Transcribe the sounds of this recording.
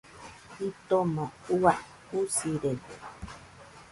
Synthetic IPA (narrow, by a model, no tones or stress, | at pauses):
it̪omoua | usiɾet̪e